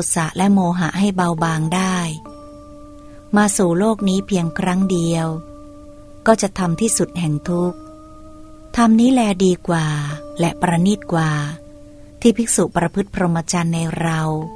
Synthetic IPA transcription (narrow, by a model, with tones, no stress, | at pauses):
u˨˩t̪̚sa˨˩ʔlɛ˦˥ʔmoː˧ɦa˩˦ʔha˥˩jba˧wbaː˧ŋdaː˥˩j | maː˧suː˨˩loː˥˩k̚niː˦˥pʰi˧əŋkʰɾa˦˥ŋdi˧əw | kɔː˥˩t͡ɕa˨˩ʔt̪ʰa˧mt̪ʰiː˥˩su˨˩t̪̚hɛ˨˩ŋt̪ʰu˦˥k̚ | t̪ʰa˧mniː˦˥lɛː˧diː˧kwaː˨˩lɛ˦˥pɾa˧niː˥˩t̪̚kwaː˨˩ | t̪ʰiː˥˩pʰi˦˥k̚suː˨˩pɾa˧pʰɯ˦˥t̪̚pʰɾo˧mːa˧t͡ɕaː˧nːa˧jɾa˧w